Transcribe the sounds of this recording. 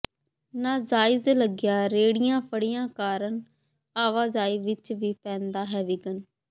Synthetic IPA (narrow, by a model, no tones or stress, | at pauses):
nãːzaːɪzləɡɪjaːɾeːɽɪjãːpʰəɽɪjãːkaːɾəɳ | aːʋaːzaːiːʋɪt͡ʃʋiːpɛ̃ːnd̪aːɦɛːʋiːɡən